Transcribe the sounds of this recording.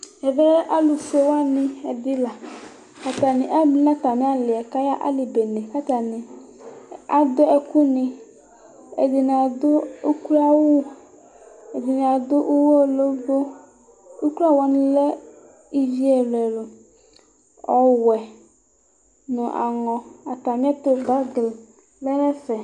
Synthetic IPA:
ɛ˨ve˦a˦lu˨se˦wa˦nɪ̃˦ɛ˨d̪ɪ˦la˨ | ka˦t̪a˨nĩ˨ʔa˦bĩ˦lã˦t̪a˨mĩ˦a˦lɪ˨ɛ˨ka˦ja˦ʔa̰˦li˨be˨nẽ˨ka˦t̪a˨nĩ˨ | a˦d̪o˦ɛ˨ku˦nɪ̃˨ | ḛ˨d̪ɪ˨n˨a˨d̪o˦o˦ka˦wu˦ | e˨d̪ɪ˨n˨a˨d̪o˦ʔo˦wo˦˨lo˦bo˦ | u˦kla˦˨wa˨nĩ˦lɛ˦ | i˦vi˦ɛ˨lɛ˨lo˨ | ɔ˨wɛ˨ | nʊ̃˨ʔa̰˨ŋɔ̃˨a˨t̪a˨mĩ˦a˦t̪o˦ba˦ɡl | lɛ˦nɛ̃˦fɛ˨

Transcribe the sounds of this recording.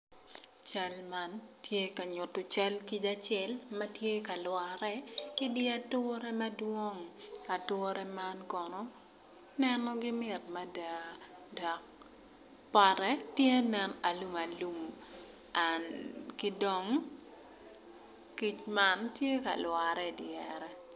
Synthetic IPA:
t͡ʃa˦lma˦ntje˦ka˨ɲʊ˨tʊ˨t͡ʃa˦lki˦t͡ʃa˦t͡ʃɛlmɐ˦tje˦ka˨lwaɾɛ˦kɪ˦dɪ˦a˦tʊ˦ɾɛ˦mɐdwɔ˦ŋa˨tʊ˦ɾɛ˦ma˦nkɔ˨nɔ˦ | nɛnɔ˦ɡɪ˦mɪ˨tmɐ˨da˨da˨k̚ | pa˨ɾɛ˦tje˦nɛna˨lu˦ma˨lu˨m | ankɪ˦dɔ˨˦ŋ | ki˦t͡ʃma˦ntje˦ka̰˨lwa˨ɾɛdjɛɾɛ˦

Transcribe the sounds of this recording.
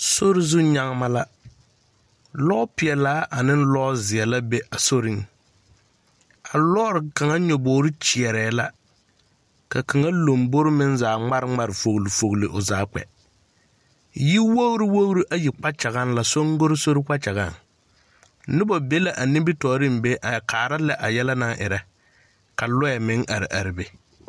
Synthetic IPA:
so˦ɾɪ˦zu˦ɲa˦ŋ˦ma˦la˦ | lɔ˦pɪ˨ɛ˨laː˦ʔa˨nɪ˦nlɔː˦zɪ˨ɛ˨la˦be˦ʔa˨so˦ɾɪ˦ŋ | a˨lɔː˦ɾɪ˨ka˨ŋa˦ɲɔ˨boː˨˦ɾɪ˦t͡ʃi˨ɛ˨ɾɛː˨˦la˦ | ka˨kʰa˨ŋa˦lo˨mbo˦ɾɪ˦mɪ˦nzaː˨ŋ͡ma˦ɾɪ˦ŋ͡ma˨ɾɪ˨fo˨ɣli˨fo˨ɣlɪ˨ʔʊ˨zaː˨˦k͡pɛ̰˨ | ji˦wo˦ɣɾi˦wo˦ɣɾi˦ʔa˦ji˨k͡pa˦t͡ʃa˨ɣa˦n˦la˨so˦ŋɡo˦ɾɪ˦so˦ɾɪ˦k͡pa˦t͡ʃa˨ɣa˦˨ŋ | nɪ˦bɔ˨be˦la˨ʔa˨nɪ˦bɪ˦tɔː˨˦ɾɪ˦m˨be˦ʔa˨kʰaː˨ɾa˦lɛ˦ʔa˨jɛ˦la˦na˦ʔɪ̰˨ɾɛ˦ | ka˨lʊ˦ɛ˨mɪ̃˦ŋʔa˨ɾɪ˨ʔa˨ɾɪ˨be˨

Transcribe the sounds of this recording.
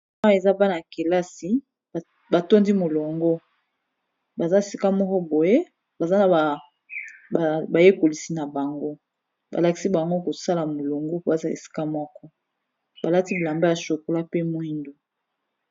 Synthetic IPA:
a˦e˨za˦ba˦na˨ke˨la˦si˨ | ba˨to˦ndi˦mo˨lo˨ŋɡo˦ | ba˨za˦e˨si˦ka˦mɔ˦kɔ˦bo˨je˦ | ba˨za˦na˨a˨ | ba˨je˦ko˨li˨si˨na˨ba˨ŋɡo˦ | ba̰˨la˨ki˨si˦ba˨ŋɡo˦ko˨sa˦la˨mo˨lo˨ŋɡo˦pa˨za˦e˨si̥˦ka˦mɔ˦kɔ˦ | ba˨la˦ti˦bla˨mba˦ja˨ʃo˨ko˨la˦pe˦mwi˦ndo˨

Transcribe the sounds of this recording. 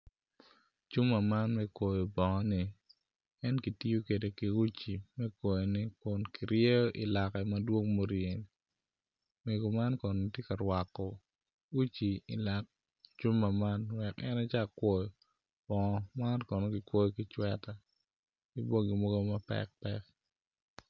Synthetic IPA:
t͡ʃu˦mːa˨ma˦nmɛ˦kwo˨jo˨bɔ˨ŋɔ˦nɪ˨ | ɛ˦nki˨ti˦o˦ke˨de˨ki˨u˦t͡ʃi˨mɛ˦kwo˨jɔ˨nɪ˨kʊ˨nki˨ɾje˦jɔ˦ʔi˨la˨kɛ˨mɐ˦dwo˦ŋmo˦ɾie˨ni˨ | me˨ɡo˨ma˦nkɔ˨n˨i˨tje˦ka˨ɾwa˨kːɔ˨ | u˦t͡ʃi˨i˨la˨k̚ | t͡ʃu˦mːa˨ma˦nwɛ˨kɛ̰˦na˦t͡ʃa˦˨kwo˨jɔ˨ | b̥ɔ˨ŋɔ˦ma˦nkɔ˨no˦ɡi˨kwo˦jɔ˦ki˨t͡ʃwɛ˦ta˦ | ki˦bo˦ɡi˨mo˦ɡo˦mɐ˦pɛ̰k̚pɛ̰˦k̚

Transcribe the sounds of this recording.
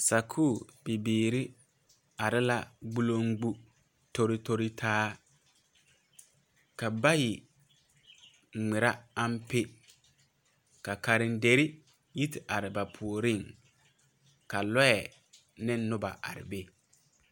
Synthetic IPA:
sa˨kʰuː˦˨bɪ˨biː˨ɾɪ˦ | a˨ɾɪ˦la˦ɡ͡bu˦lo˦ŋɡ͡bu˦ | to˦ɾɪ˦to˦ɾi˦tʰaː˦ | ka˨ba˦jɪ˨ | ŋ͡mɪ˨ɾa˦a˦mpe˦ | ka˨ka˨ɾɪ˨nde˨ɾɪ˦ | ji˦tɪ˨ʔa˨ɾɪ˨ba˨pʰu˨o˨ɾɪ˦˨ŋ | ka˨lɔ˦ɛ˨ | nɪ˦nː˦ʊ˦ba̰˨ʔa̰˨ɾɪ̰˨be˦

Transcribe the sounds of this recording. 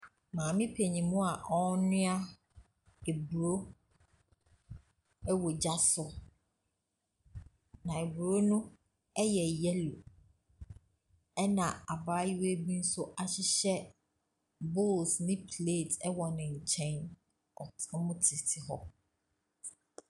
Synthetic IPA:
mãː˨mɪ̃˦pʰe˨ɲĩ˨mũ˦a˨ʔɔ˦nʊ̃˦a˦ | e˨bu˨ɾo˦ | ɛ˦wo˨d͡ʑa˦sʊ˦ | nã˨e˨bu˨ɾo˦nʊ̃˦ | ɛ˦jɛ˨jɛ˦lu˨ | ɛ˦nã˨a˨baː˦ji˦we˦bi˦n̩˦sʊ˦ʔa˨ɕɪ˦ɕɛ˦ | bʊ˦˨lsnɪ̃˦pʰleː˦˨tʰɛ˦wɔ˨nɪ̃˨ɲ̩˨t͡ɕʰɛ̃˦n | ɔ˨tʰmʊ̃˦tʰɪ˨tʰɪ˨ɦɔ̰˦

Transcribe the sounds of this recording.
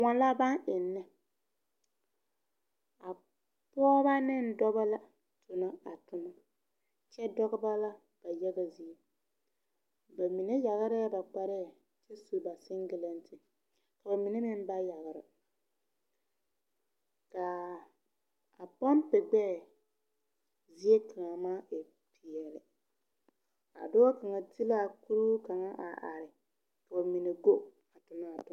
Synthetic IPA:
ŋɔ˨n˦la˦ba˦nʔɪ˨nːɛ˦ | a˨ | pɔː˦ba˦nɪ˦˨n˦dɔ˦ba˦la˦ | tʰʊ˨na˦a˨tʊ˦ma˦ | t͡ʃɛ˦dɔ˦ɡɪ˦ba˦la˦ | b̥a˨jɛ˦ɡa˨zi˨e˦ | ba˨mi˨ne˦ja˨ɣɪ˦ɾɪ˦ba˨k͡pa˦ɾɛ˦˨ | t͡ʃɛ˦su˨ba˨sɪ˦ŋɡɪ˨lɛ˦ntɪ˨ | ka˨ba˨mi˨ne˦mɪ˦n˦ba˦ja˨ɣɪ˨ɾɪ˨ | ka˨ | a˨pa˦n˦pɪ˨ɡ͡bɛː˦˨ | zi˦e˦ka˨a˨maː˦ʔe˨ | pi˨jɛ˨lɪ˨ | a̰˨dʊ˦a˦ka˨ŋa˨ti˦la˦˨ku˦ɾu˦ka˨ŋa˦ʔa̰˨ʔa̰˨ɾɪ˨ | ka˨ba˨mi˨ne˨ɡo˦ | a˨tʊ˨naː˦˨tʊ˨

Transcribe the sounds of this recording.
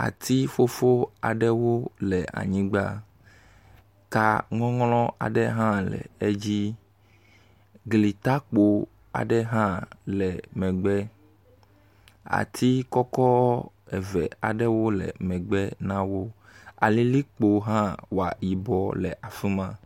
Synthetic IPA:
a̰˨t̪i˦fo˦fo˦a˨ɖɛ˦wo˦lɛ˨ʔa̰˨ɲĩ˦ɡ͡ba˦ | ka˦ŋɔ̃˦ŋlɔ̃˦a̰˨ɖɛ˦ɦã˦lɛ̰˨e˦d͡ʑi˦ | ɡli˨t̪a˦k͡po˨ | a̰˨ɖɛ˦ɦã˦lɛ˨mɛ̃˨ɡ͡bɛ˦ | a̰˨t̪ʰi˦kɔ˦kɔ˦ | ɛ˨vɛ˨a˨ɖɛ˦wo˦lɛ̰˨mɛ̃˨ɡ͡bɛ˦nã˦wo˦a̰˨li˦li˦k͡po˨ɦã˦wa̰˨ji˨bɔ˨lɛ˨ʔa˨fi˦mã˦

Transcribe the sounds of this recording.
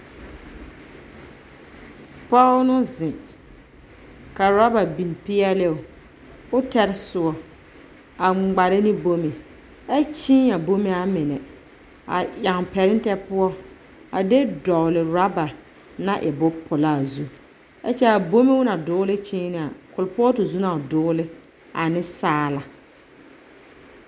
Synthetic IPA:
pɔ˦nʊ˦zɪ˨ | ka˨ɾa˦ba˨bi˨n˨pɪ˦ɛ˦lɪ˦ʊ˨ | ʊ˦tɛ˦ɾɪ˦sʊ˨ɔ˨ | a˨ŋ͡mɡ͡ba˨ɾɪ˦nɪ˦bo˦me˨ | ɛ˦t͡ʃĩ˦a˨bo˦me˦a˦mɪ˨nɛ˨ | a̰˨a˨ŋpɛ˨ɾɪ˦n˦tɛ˦pʊ˦ɔ˦ | a˨de˦dɔ˨ʊ˨lɪ˨ɾa˦ba˨ | na˦ʔɪ˨bʊ˦pʰʊ˨la˦˨zu˦ | ɛ̰˦t͡ʃɛ˦a˨bo˦me˦wʊ˦na˨dʊː˦lɪ˦t͡ʃɪː˦nɪ˦a˨kʊ˨lpʊ˦ɔ˦tʊ˨zu˦na˨dʊː˦lɪ˦ | a˨nɪ˦saː˦la˨

